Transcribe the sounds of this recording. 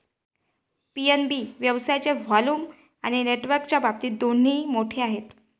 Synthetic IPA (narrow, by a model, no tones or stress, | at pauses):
pienbiʋjəʋsajt͡ɕeʋaluːm | aɽ̃ineʈʋəɾkt͡ɕjabap̚t̪iːd̪on̤iːmoʈʰeaɦet̪